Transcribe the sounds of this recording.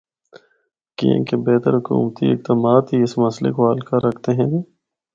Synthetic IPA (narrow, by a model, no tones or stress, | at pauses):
kḭḛ̃kebɛːt̪əɾɦʊkṵːmt̪iɪk̚d̪əmaːt̪ɦiɪsmɐslḛkoɦaːlkaɾɐkʰt̪eɦɛ̃ːd̪iː